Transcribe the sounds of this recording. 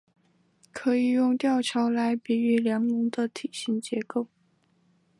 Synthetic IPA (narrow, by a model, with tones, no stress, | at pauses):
kʰɤ˧˥i˨˩jʊ˥˧ŋt̪jɑ˥˩ʊt͡ɕʰjɑ˧˥ʊla˧˥ɪpi˧˥y˧˥ljɑ˧˥ŋnʊ˧˥ŋd̪ə˧t̪ʰi˨˩ɕi˧˥ŋt͡ɕjɛ˧˥ko˥˩ʊ